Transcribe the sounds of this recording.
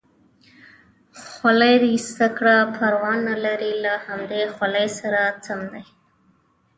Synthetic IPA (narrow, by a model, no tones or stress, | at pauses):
xwalajɾist̪akɽapʰaɾwɑnːalaɾilahamd̪exwalajsaɾat͡samd̪aj